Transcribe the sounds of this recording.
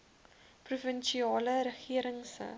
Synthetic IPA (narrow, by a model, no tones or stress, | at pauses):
prufənʃiɑːləɾəχiəɾəŋsə̰